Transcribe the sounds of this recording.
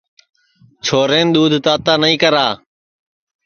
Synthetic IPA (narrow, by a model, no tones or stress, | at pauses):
t͡ʃʰoːɾẽːnɗ̪uːd̪ʱt̪aːt̪aːnəĩːkəɾaː